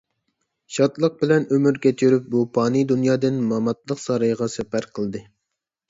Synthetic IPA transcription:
ʃɑt̪lˠəq̚bɪlɛnømyɾɡʲɛt̪ʰyɾyp̚bupʰɑːnɨd̪unjɑːd̪ɨnmɑmɑt̪̚lˠəqsɑɾɑjʁɑsɛpæɾqʰəlˠd̪ɨ

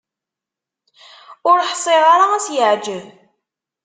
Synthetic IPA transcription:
ʊɾħsˤeʁɑɾaæsjəʕd͡ʒəv

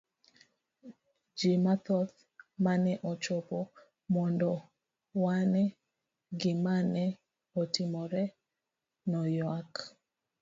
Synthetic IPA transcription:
d͡ʒimat̪ɔt̪ | manɛʔɔt͡ʃɔpɔ | mɔndɔ | wanɛ | ɡɪmanɛ | otimɔɾɛ | nɔjwak

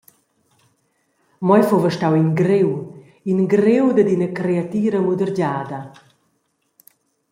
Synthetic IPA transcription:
mɔjfovəʃtawinɡɾew | inɡɾewd̪əd̪inəkɾeat̪iːɾəmud̪əɾɟaːd̪ɐ

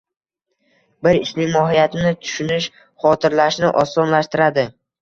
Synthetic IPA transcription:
bɪɾɪsmɪŋmɒɦijat̪ʰɪnɪt̪ʰʊ̥ʃʊnɪʃ | χɒt̪ʰɪɾlaʃnɪʔɒsːɒnlaʃt̪ɪɾad̪ɪ

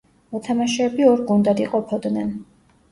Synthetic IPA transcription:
mɔt̪ʰamaʃɛɛbiɔɾɡund̪ad̪iqʼɔpʰɔd̪nɛn

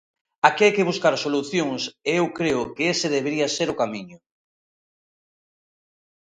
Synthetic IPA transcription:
akɪajkeβ̞uskaɾsoluθjoŋseewkɾeʊkeeseðeβeɾiaseɾʊkamiɲʊ

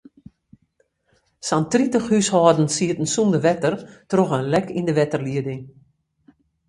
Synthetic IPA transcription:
santritəxhyshɔːdn̩siətn̩sumdəʋɛtərtroxənlɛkʰindəʋɛtərliədɪŋ

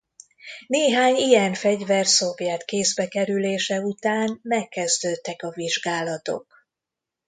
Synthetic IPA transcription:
neːɦaːɲijɛɱfɛɟvɛrso̞vjɛt̪keːzbɛkɛɾyleːʃɛut̪aːnmɛkːɛzd̪øːt̪ːɛkɒviʒɡaːlɒt̪o̞̰k

